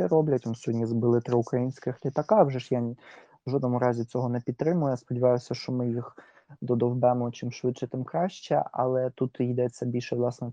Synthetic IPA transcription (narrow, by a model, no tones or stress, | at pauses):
ɛɾɔblʲɐtʲʋɔnsʲɔdʲnʲizbɪlˠɪt̪ɾɪʊkɾɐjinʲsʲkɪxlʲit̪ɐkɑwʒɛʃja | ʒɔd̪nɔmʊɾɑzʲit͡sʲɔɦɔnɛpʲid̪̚t̪ɾɪmʊjspɔdʲiʋɑjʊsʲɐʃt͡ʃɔmɪjix | d̪ɔd̪ɔwbɛmɔt͡ʃɪmʃʋɪt̪ʃɛt̪ɪmkɾɑʃt͡ʃɛ̰ɐ̰lˠɛt̪ut̪jd̪ɛt͡sʲːɐbʲilʲʃɛʋlˠɑsnɛ